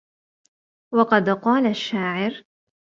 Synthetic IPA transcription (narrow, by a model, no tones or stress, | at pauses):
wɑqɑd̪qɑːlaʃːaːʕɪɾ